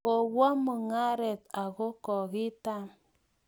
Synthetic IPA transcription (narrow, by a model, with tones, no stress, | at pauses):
o˨wa˦mu˨ŋa˦ɾe˨ta˨ɣo˦kɔ˨ɣi˦ta˦m